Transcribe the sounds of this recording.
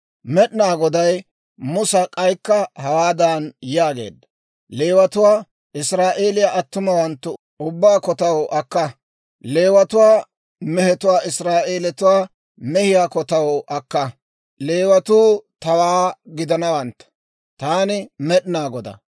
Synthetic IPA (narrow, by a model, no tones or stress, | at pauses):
mɛɗnaːɡɔd̪ɐj | mʊsɐkʼɐjkːɐhɐwaːd̪aːnjaːɡe̞̰ːd̪ːɐ | leːwɐt̪ʊwaː | ʔɪsɾaːʔe̞ːlɪjaʔɐt̪ːʊmɐwɐnt̪ːʊ | ʊbːaːkɔt̪ɐwɔʔɐkːɐ | leːwɐt̪ʊwaː | mɛhɛt̪ʊwaːʔɪsɾaːʔe̞ːlɛt̪ʊwaː | mɛhɪjakɔt̪ɐwʔɐkːɐ | le̞ːwɐt̪uːt̪ɐwaːɡɪd̪ɐnɐwɐnt̪ːɐ̥ | t̪aːnɪmɛɗnaːɡɔd̪ɐ̰